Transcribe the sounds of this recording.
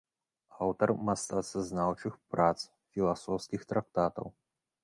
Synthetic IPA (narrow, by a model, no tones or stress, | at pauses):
awt̪ɐrmast̪at̪saznawt͡ʂɨxpɾat̪s | fʲilˠasɔwskʲixt̪ɾak̚t̪at̪ɐ̰w